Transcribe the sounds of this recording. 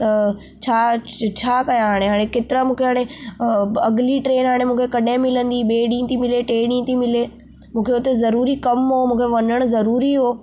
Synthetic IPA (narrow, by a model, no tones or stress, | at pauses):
t̪ɐ | t͡ɕʰaːt͡ɕʰaːkɐjãɦaːɽ̃eɦaːɽ̃ekeːt̪ɪɾamũːkʰeɦaːɽ̃e | ɐɡliʈɾeːnɦaːɽ̃emũːkʰekɐɗɪ̃mɪlə̃nd̪iɓeːɗĩːt̪ʰimɪleʈeːɗĩːt̪ʰimɪleː | mũːkʰeʊt̪ezɐɾuːɾikɐmɦomũːkʰeʋɐnəɽ̃ʊzɐɾuːɾiɦoː